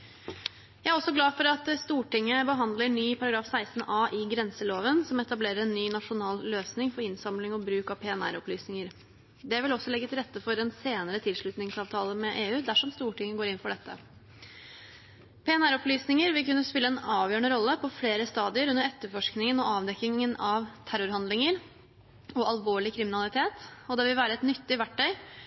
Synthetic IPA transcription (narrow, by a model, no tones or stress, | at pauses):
jæɪæɾɔsːɔɡlɑːfɔɾɑt̪st̪uːʈɪŋːəbəɦɑnd̪ləɳyːpʰɑɾɑɡɾɑːfsæɪst̪n̩ʔɑːʔɪɡɾɛnsəloːʋənsɔmɛt̪ɑbleːɾəɾɛnːyːnɑʂʊnɑːlløːsnɪŋfɔɾɪnsɑmlɪŋɔbɾʉːkɑpʰɛːɛnæ̰ɾɔplyːsnɪŋəɾ | d̪ɛʋɪlɔsːɔlɛɡːət̪ɪlɾɛt̪ːəfɔɾɛnseːnəɾət̪ʰɪlʂɭʉt̪nɪŋsɑːʋt̪ʰɑːləmɛʔeːʉːd̪æʂɔmst̪uːʈɪŋːəɡoːɾɪnfɔɖɛt̪ʰːə̰ | pʰeɛnæɾɔplyːsnɪŋəɾʋɪlkʉnːəspɪlːəɛnɑːʋjøːɳəɾɔlːəpʰɔfleːɾəst̪ɑːd̪ɪəɾʉnːəɾɛt̪ːəfɔʂknɪŋənɔɑːʋd̪ɛkːɪŋənɑʋt̪ʰæɾʊɾɦɑnd̪lɪŋəɾ | ɔɑlʋoːɭɪkʰɾɪmɪnɑlɪt̪ʰeːt̪ɔd̪ɛʋɪlʋæːɾəɛt̪nʏt̪ːɪʋæʈːœʏ